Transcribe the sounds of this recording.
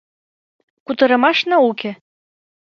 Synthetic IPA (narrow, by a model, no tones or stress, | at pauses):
kut̪ɤ̆ɾɤ̆mɑʃnɑukʲĕ